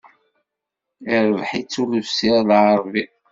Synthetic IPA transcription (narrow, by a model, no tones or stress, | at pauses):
iɾəvħit͡sːuləvsilʕəɾˤvi